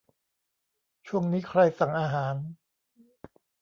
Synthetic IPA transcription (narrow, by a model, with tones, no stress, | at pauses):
t͡ɕʰu˥˩əŋniː˦˥kʰɾa˧jsa˨˩ŋʔaː˧ɦaː˩˦n